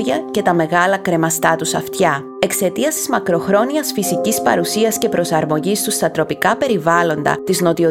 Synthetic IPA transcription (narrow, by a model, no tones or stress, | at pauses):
ʝɐce̞t̪ɐme̞ɣɐlɐkɾe̞mɐst̪ɐt̪usɐft̪çɐ | e̞kse̞t̪iɐst̪izmɐkɾo̞xɾo̞niɐsfisicispɐ̰ɾusiɐsce̞pɾo̞sɐɾmo̞ʝist̪ust̪ɐt̪ɾo̞pikɐpe̞ɾivɐlo̞nd̪ɐ̰t̪izno̞t̪io